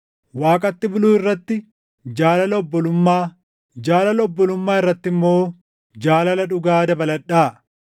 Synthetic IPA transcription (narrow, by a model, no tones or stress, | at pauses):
waːkʼɐt̪ːɪbʊluːɪrːɐt̪ːɪ | d͡ʒaːlɐlɐɔbːɔlʊmːaː | d͡ʒaːlɐlɐɔbːɔlʊmːaːɪrːɐt̪ːɪmːo̞ː | d͡ʒaːlɐlɐᶑʊɡaːd̪ɐbɐlɐᶑːaː